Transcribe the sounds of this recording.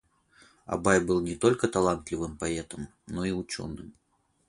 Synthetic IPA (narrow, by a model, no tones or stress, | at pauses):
a̰bajbɨlˠnʲɛt̪ɔlʲkɐt̪alˠant̪lʲivɨmpaɛt̪ɐm | nɔiwt͡ʃʲɔ̰nɨm